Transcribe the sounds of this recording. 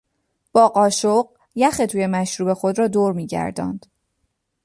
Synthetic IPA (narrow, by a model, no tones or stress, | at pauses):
b̥ɒːɢɒːʃoɢ | jæxet̪ʰuːje̞mæʃɾuːbe̞xo̞d̪rɒːd̪oːɾmiːɟæ̰ɾd̪ɒ̰ːnd̪̥